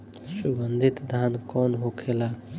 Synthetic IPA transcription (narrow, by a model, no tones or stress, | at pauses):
subənd̪ʱit̪d̪ʱaːnkɔːnɦokʰelaː